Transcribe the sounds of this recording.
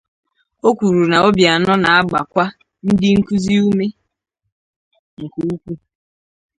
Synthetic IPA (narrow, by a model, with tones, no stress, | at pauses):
o˦kʷu˨ɾu˨na˨o˦bja˨nɔ˦na˨a˦ɡ͡ba˨kʷa˦ | n̩˦dɪ˦ŋ̩˦ku˦zi˦u˦me˦ | ŋ̩˨ku˨˦u˦kʷu˦